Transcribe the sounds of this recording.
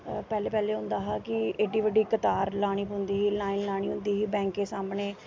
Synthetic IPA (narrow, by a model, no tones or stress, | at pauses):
pɛːleːpɛːleːɦʊ̃nd̪aːɦaːkɪeːɖiːʋəɖiːkət̪aːɾlaːɽ̃iːpʊnd̪iːɦiːlaːinlaːɽ̃iːɦʊ̃nd̪iːɦiːbɛ̃ːŋkeːsaːmneː